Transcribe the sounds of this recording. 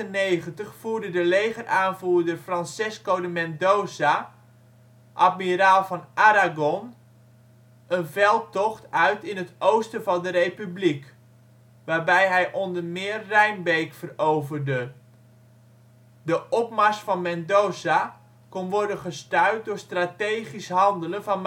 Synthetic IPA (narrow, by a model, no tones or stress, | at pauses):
tənejχəntəχfuːɹdədəlejχərʔaːnvuːrdərfrɑnsɪskowdəmɛndowza | ʔatmiɾaːlˠvɑnʔaɾaɡɔn | ʔənvɛlˠtɔχtœɥtɪnɦətowstəvɑndəɾrejpyblik | ʋaːrbɛjɦɛjʔɔndərmɪːrːɛjnbejkfərowvərdə | dəʔɔp̚masfɑnmɛndowza | konʋɔrdənχəstœɥt̚dʊɹstrateːχisɦɑndələnvɑnm